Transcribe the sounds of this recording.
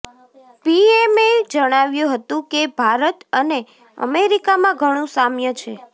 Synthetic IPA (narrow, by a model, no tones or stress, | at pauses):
piemed͡ʒəɽ̃aʋjũɦət̪ũkebʱaɾət̪əne | ə̰meɾikamãɡʱəɽ̃ũsamjət͡ʃʰe